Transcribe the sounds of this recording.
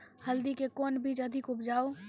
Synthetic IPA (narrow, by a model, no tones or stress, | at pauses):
hɐld̪ikekɔːnbiːd͡ʒɐd̪ʱɪkʊpd͡ʒaːo